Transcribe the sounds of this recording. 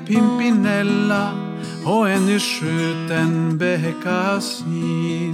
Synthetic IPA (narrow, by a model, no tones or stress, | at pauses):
pimpinelːa | oeniʂyt̪enbeɦekasi